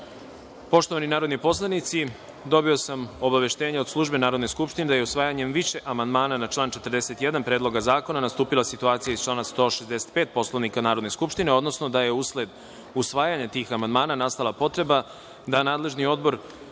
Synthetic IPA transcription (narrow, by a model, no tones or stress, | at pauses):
po̞ʃt̪o̞ʋaninaːɾo̞d̪nipo̞slˠanit̪si | d̪o̞bio̞samo̞baʋe̞ʃt̪eːɲao̞d̪slˠuʒbe̞naːɾod̪neskupʃt̪ined̪ajeusʋaːjaɲe̞mʋiʃe̞ʔamand̪maːnanat͡ʃlˠaːnt͡ʃe̞t̪rd̪ese̞t̪jed̪anpɾe̞ːd̪lˠo̞ɡazaːko̞nanast̪uːpilˠasit̪uaːt̪sijaizt͡ʃlaːnast̪oʃe̞zd̪ese̥t̪̚pe̞ːt̪̚po̞slˠaʋnikanaːɾo̞d̪ne̞skupʃt̪ine̞o̞d̪no̞sno̞d̪aje̞usled̪ | usʋaːjaɲat̪iːxamand̪maːnanast̪alˠapo̞t̪ɾe̞ba | d̪anaːd̪le̞ʒnio̞d̪bo̞ɾ